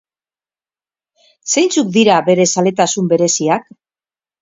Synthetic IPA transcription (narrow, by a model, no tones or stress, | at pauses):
se̞jnt͡suk̚d̪iɾaβe̞ɾe̞sale̞t̪asumbe̞ɾe̞siak